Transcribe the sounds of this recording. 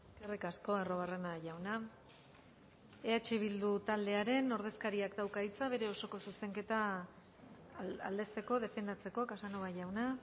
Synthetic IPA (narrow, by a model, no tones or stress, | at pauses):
eske̞rikasko̞ero̞βare̞naʝawna | eat͡ʃiβ̞ild̪ut̪ald̪e̞aɾe̞no̞ɾð̞e̞skaɾiakd̪awkait͡saβ̞e̞ɾe̞o̞so̞ko̞suse̞ŋke̞t̪a | a̰ld̪e̞st̪e̞ko̞ð̞e̞fe̞nd̪at͡se̞ko̞kasanoβaʝawna